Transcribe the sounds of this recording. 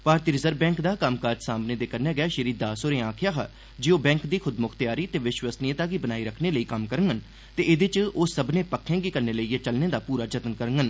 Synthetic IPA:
paːɾt̪iɾɪzəɾbɛ̃ːŋkd̪aːkaːmkaːɾd͡ʒsaːmneːd̪eːkəɾneːɡəɛːʃəɾiːd̪aːsoːɾẽːaːkʰjaːɦə̰ | d͡ʒiːoːbɛ̃ːŋkd̪iːkʰʊd̪mʊkʰt̪jaːɾiːt̪eːʋɪʃwəsniːət̪aːɡiːbənaːiːɾəkʰneːləiːkəmkəɾəŋɡən | t̪eːʔɪd̪ɪt͡ʃoːsəbnẽːpəkʰːjẽːɡiːkəɾneːləiːet͡ʃəlneːd̪aːpuːɾaːd͡ʒət̪ənkəɾəŋɡən

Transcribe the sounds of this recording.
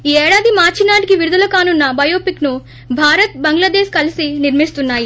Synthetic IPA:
iːɛːɽaːd̪imaːɾt͡ʃinaːʈikiʋiɾud̪ɐlɐkaːnunːɐbɐjoːpiknu | bʱaːɾɐt̪̚bɐŋɡlɐd̪eːʃkɐlisiniɾmist̪unːaːji

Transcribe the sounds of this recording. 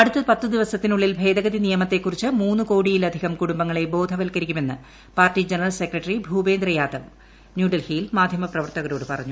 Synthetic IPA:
ɐɽut̪ːɐpɐt̪ːɨd̪iʋɐsɐt̪ːinuɭːilbʱe̞ːd̪ɐɣɐd̪inijɐmɐt̪ːe̞kːurit͡ɕːɨmuːnːuko̞ːɽijilɐd̪ʱiɣɐmkuɽumbɐŋːɐɭe̞bo̞ːd̪ʱɐʋɐlkɐɾikʲːume̞nːɨ | paːrtid͡ʑɐnɐrɐlse̞krɐʈːɐribʱuːbe̞ːnd̪ɾɐjaːd̪ɐʋ | njuːɖɐlhijilmaːd̪ʱjɐmɐprɐʋɐrt̪ɐɣɐɾoːɽɨpɐrɐɲːu

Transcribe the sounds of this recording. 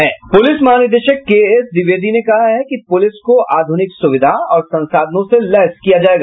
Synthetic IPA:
ɦɛːpʊlɪsmɐɦaːnɪd̪eʃəkːeːɛsd̪ɪʋeːd̪ʱinekɐɦaɦɛkipʊlɪskoʔaːd̪ʱʊnɪksʊʋɪd̪ʱaɔːɾsɐ̃nsaːd̪ʱnõselɛskijad͡ʒaːeːɡa

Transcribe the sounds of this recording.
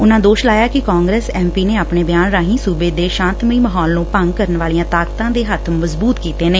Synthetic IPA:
ʊnãːd̪oːʃlaːjaːkɪkaːŋɡɾeːsɛːmpiːneːaːpɳeːbjaːnɾaːɦĩːsuːbeːd̪eːʃãːnt̪miːməɦɔːlnũːpəŋɡ̚kəɾənʋaːlijãːt̪aːkt̪ãːd̪eːɦət̪ʰməzbuːt̪kiːt̪eːneː

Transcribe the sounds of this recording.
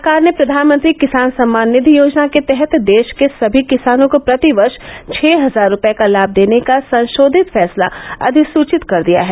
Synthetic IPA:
sɾkaːɾnepɾɐd̪ʱaːnmə̃nt̪ɾikɪsaːnsɐ̃mːaːnːɪd̪ʱijoːd͡ʒnaket̪ɛɦɛt̪d̪eːʃkesɐbʱikɪsaːnõkopɾɐt̪iʋɐɾʃt͡ʃʰɛːɦɐzaːɾːʊpekalaːb̚d̪eːnekasɐ̃nʃoːd̪ʱɪt̪fɛːsla̰ɐ̰d̪ʱɪsuːt͡ʃɪt̪kɐɾd̪ija̰ɦɛː

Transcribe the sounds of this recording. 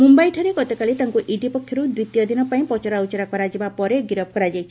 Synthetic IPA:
mumbajʈʰɔɾeɡɔt̪ɔkalit̪aŋkuʔiɖipɔkʰːjɔɾud̪ɾit̪ijɔd̪inɔpaĩpɔt͡ʃɔɾaut͡ʃɔɾakɔɾad͡ʒibapɔɾeɡiɾɔb̚kɔɾad͡ʒajt͡ʃʰi

